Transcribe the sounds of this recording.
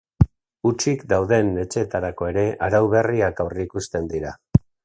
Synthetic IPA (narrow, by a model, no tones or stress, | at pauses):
ut͡ʃikd̪awðe̞ne̞t͡ʃe̞ːt̪aɾako̞e̞ɾe̞ʔaɾawβe̞riakawriːkust̪e̞nd̪iɾa